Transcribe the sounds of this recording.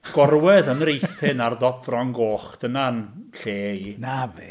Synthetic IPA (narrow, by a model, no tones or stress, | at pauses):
ɡ̥ɔrwɛðənrejθɨɪnardɔpvrɔŋɡoːχd̥ənanɬeːinave